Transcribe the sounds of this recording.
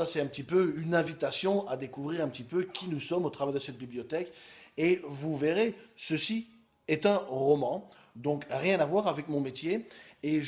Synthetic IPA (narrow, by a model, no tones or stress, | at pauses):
asɛt̪ɛ̃pət̪ipøynɛ̃vit̪asjɔ̃ad̪ekuvʁiʁɛ̃pət̪ipøkʲʰinusɔmot̪χavɛʁd̪əsɛt̪̚biblijɔt̪ɛkevuveʁesəsi | ɛt̪ɛ̃ʁɔmɑ̃ | d̪ɔ̃kʁjɛ̃navwaʁavɛkmɔ̃met̪jeeʒ